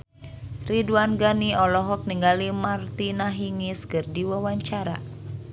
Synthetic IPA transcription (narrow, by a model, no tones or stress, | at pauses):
riduanɡaniɔlɔɦɔk̚niŋɡalimart̪inaɦiŋiskɨrdiwawaɲt͡ʃaɾa̰